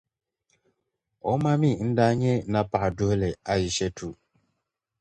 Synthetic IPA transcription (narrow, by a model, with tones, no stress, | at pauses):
ɔ˦ma˦mi˦˨n̩˦da˦ɲe˦na˨pa˨du˦e˦le˨a˦jɪ˨ʃe˦tʰu˨